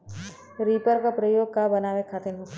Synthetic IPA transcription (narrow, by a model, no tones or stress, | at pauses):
ɾiːpəɾkapɾəjoːɡ̚kabɐnaːʋekʰaːt̪enɦot̪